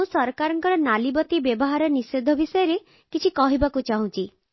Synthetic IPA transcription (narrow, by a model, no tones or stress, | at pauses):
ũsɔɾkaɾɔŋkɔɾɔnalibɔt̪ibjebɔɦaɾɔnised̪ʱɔbisɔjɔɾe | kit͡ʃʰikɔɦibakut͡ʃaɦũt͡ʃi